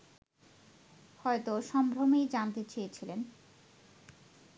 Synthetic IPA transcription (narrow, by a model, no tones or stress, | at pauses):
hɔet̪oʃɔmbʱɾomejd͡ʑant̪et͡ɕejet͡ɕʰilen